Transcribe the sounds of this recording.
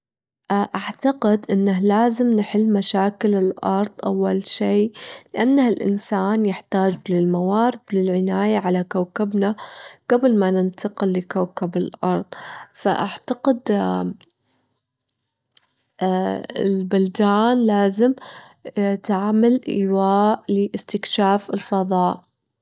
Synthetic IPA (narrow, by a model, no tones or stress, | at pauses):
ʔʔaʕt̪aqɪd̪ʔɪnːahlaːzɪmnħɪlːmaʃaːkɪlɪlʔɑɾˤðˤʔawːalʃiːlɪʔanːahɪlʔɪ̰nsaːnjɪħt̪aːd͡ʒlɪlmawaːɾɪd̪lɪlʕɪnaːjaʕalakawkabnaɡ̥ablmanɪnt̪ɑqɪlːɪkawkabɪlʔɑɾˤðˤfa̰ʔaʕt̪aqɪd̪ | ɪ̰lbʊld̪aːnlaːzɪm | t̪aʕmalʔḭwaːʔlɪʔɪst̪ɪkʃaːfɪlfɑðˤɑːʔ